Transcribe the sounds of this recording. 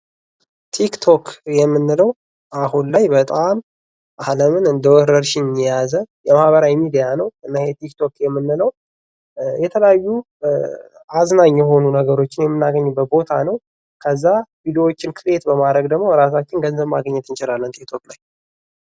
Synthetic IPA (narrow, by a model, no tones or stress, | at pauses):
t̪ʰikt̪ʰo̞kjɛmːɨnːɨləw | ʔaɦunlajbət̪ʼam | ʔaləmɨnɨnd̪əwɔɾəɾʃɪɲɛjazəjɛmahβəɾawjmid̪ijanəwʔɨnːahjɛt̪ʰikt̪ʰo̞kjɛmːɨnːɨləw | jɛt̪ʰələjajːu | ʔaznaɲːjɛɦo̞nunəɡəɾo̞t͡ʃːɪnjɛmːɨnːaɡəɲːbət̪̚bo̞t̪ʰanəw | kʰəzːavid̪iwo̞t͡ʃːɪnkʰɨɾe̞t̪bəmad̪ɾəɡd̪əɡmo̞ɾas̬at͡ʃːɪnɡənzəbma̰ɡəɲːɛt̪ʰɨnt͡ʃɪɾalːənt̪ʰikt̪ʰo̞klaj